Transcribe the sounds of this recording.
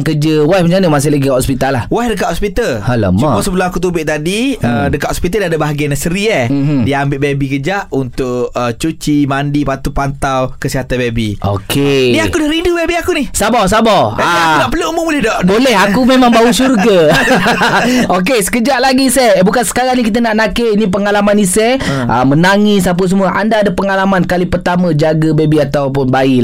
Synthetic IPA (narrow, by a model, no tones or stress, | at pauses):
ŋkəd͡ʒəwahməɲd͡ʒanəmas̬ɪhlaɡikɔspit̪alahwaɦdək̬at̪hɔspit̪alhalə̰mt͡ʃuɔmɔsəbəlʊakut̪̬ubɪʔt̪adiədəkaʔ̪hɔspit̪aladabaɦaɡianasəɾiadiambɪʔbebikəd͡ʒaʔunt̪ʊʔət͡ʃut͡ʃimandipat̪upant̪awkəsiɦat̪anbebiʔo̰kʰeniakudahɾindubebiakunɪsabɔs̬abaaanaʔpəluumumulɛdɔʔbolɛɦakumemãŋbausurɡa | ok̬esə̥kəd͡ʒaʔlaɡisɛbukansə̥kaɾaŋnikit̪̬anaʔnakeʔinĩp̬əŋalamanisɛʔə̰mənaŋis̬ap̬əs̬əmuəʔandaːdapəŋalamankalipərt̪amãd͡ʒaɡəbebiat̪awpʊnbai